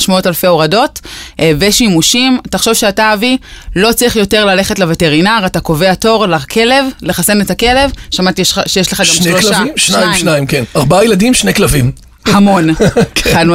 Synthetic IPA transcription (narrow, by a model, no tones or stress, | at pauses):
ʃmaotalfe̞oʁado̞tveʃimuʃimtaχʃo̞vʃeataːvilo̞t͡sʁiχjo̞te̞ʁlale̞χetlevete̞ʁinaʁatako̞ve̞ato̞ʁlakʰe̞le̞vleχase̞netake̞le̞vʃamatiʃejeʃleχaɡamʃloʃaiajiʃnaimkenaʁbaajeladimʃnejklavim | hamo̞nad